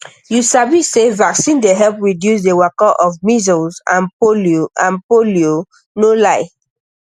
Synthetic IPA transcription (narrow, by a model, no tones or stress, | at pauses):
jusabisevaksĩndeɦɛlpɹidjus̬dewakɔʔɔvmizɔlzã̰npolioʔãnpolio | nolaɪ